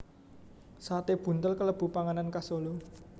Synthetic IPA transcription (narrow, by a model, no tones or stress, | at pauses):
sat̪eb̥ṳnt̪əlkələb̥ṳpaŋanankasolo